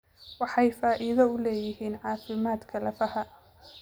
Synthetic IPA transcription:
wɑħɑjfaːʔɪðɐʊlɛːjɪɦiːnʕɑːfɪmaːd̪kʰɐlɐfɐhɐ

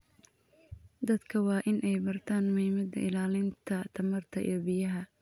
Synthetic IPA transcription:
d̪ɐd̪kʰɐwɑːʔɪnʔɛjbɐrt̪ʰaːnmʊhiːmɐd̪ɐʔɪlaːlɪnt̪ʰɐt̪ʰɐmɐrt̪ʰɐʔḭːjbɪjɐɦɐ

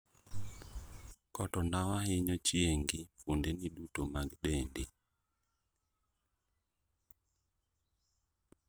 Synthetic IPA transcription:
kɔtɔnawaɦɪɲɔt͡ʃieŋɡifundɛniɗutomaɡɗɛndi

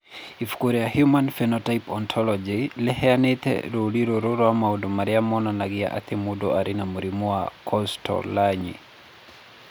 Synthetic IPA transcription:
ifkoɾɛahjumanfɛnɔtajpɔnt̪ʰɔlɔd͡ʒilɛhɛanet̪ɛ̰ɾoliɾoɾoɾwamaudomaɾiamɔnanaɡia̰ʔa̰t̪emudoʔaɾʔɪnamuɾimuakʰɔstʰɔ̰laɲḭ

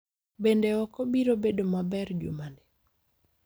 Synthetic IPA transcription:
bendeɔkɔbiɾobedomabɛrd͡ʒṵmande

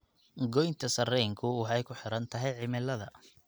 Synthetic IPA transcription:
ɡɔjnt̪ʰɐsɐrɛŋkʰʊwɑħɑjkʰʊħɪɾɐnt̪ʰɐɦɛjʕɪmɪlːɐðɐ̰

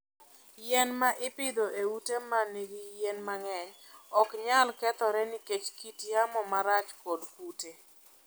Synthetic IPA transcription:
jɛnmaʔɪpɪd̪oʔeutemaneɡijɛnmaŋɛɲɔkɲalkɛt̪ɔɾɛniket͡ʃkitjamɔmaɾat͡ʃkodkute

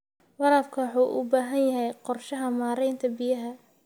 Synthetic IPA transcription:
wɐɾɐb̚kʰɐwħuːʔʊ̰baːɦɐnjɐɦɛjqɔrʃɐɦɐmaːɾɛjnt̪ʰɐbɪjɐɦɐ

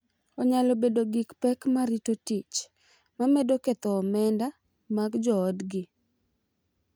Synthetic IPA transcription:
ɔɲalɔbedoɡikpɛkmaɾitotit͡ʃ | mamedoket̪ɔːmɛnda | maɡd͡ʒɔːdɡɪ

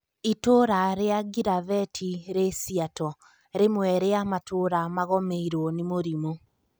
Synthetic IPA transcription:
itoɾaɾeaɡiɾavɛtʰiɾesiatɔ | ɾemwɛɾeamatʰoɾamaɣɔmeiɾwɔnimoɾimo

